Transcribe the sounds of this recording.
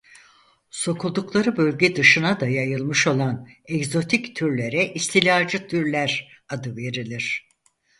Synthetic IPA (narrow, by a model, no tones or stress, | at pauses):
so̞kʰulˠd̪uklˠaɾɯbølʲɟɛd̪ɯʃɯnad̪ajajɯlˠmɯʃo̞lˠanɛɡzo̞t̪ʰict̪ʰyɾlʲe̞ɾɛʔist̪ʰilʲaːd͡ʒɯt̪ʰyɾlʲæɾ | ad̪ɯve̞ɾilʲiɾ̝̥